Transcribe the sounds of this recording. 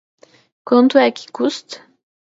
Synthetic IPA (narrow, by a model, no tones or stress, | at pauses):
kɔ̃nt̪uakʲʰi̥kust̪